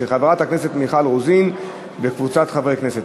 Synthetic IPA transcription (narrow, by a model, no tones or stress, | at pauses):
eχaveʁat̪hakne̞set̪miχalʁuzin | bekvut͡sat̪χavʁejkne̞set